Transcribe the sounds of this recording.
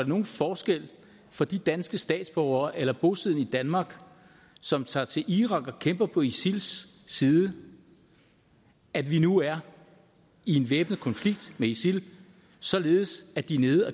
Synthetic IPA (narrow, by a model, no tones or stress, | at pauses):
deno̝ːn̩fɒːsɡ̥el̰ | fɒ̽d̥id̥ænsɡ̥əsd̥ɛ̰ːd̥sb̥ɒʊ̰ɐːʔelɐb̥ɔ̝sið̰ˠn̩id̥ænmɑ̈ːɡ̥ | sɒ̽mt͡sʰɑ̰̈ːt͡sʰe̝lʔiʁɑ̈ɡ̥ɒ̽kʰemb̥ɐpʰɒ̽isilsː | iːðˠə | ædʋinuæɐ | ie̝nʋeːb̥nð̩ˠkʰɒ̽nfliɡ̥̚d̥meisil | sɒ̽le̝ːð̩ˠsædd̥ine̝ːð̩ˠæ